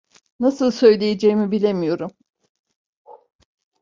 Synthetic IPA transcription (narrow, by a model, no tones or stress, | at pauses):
nasɯlˠsø̞jlʲejed͡ʒejimibilʲe̞mijo̞ɾum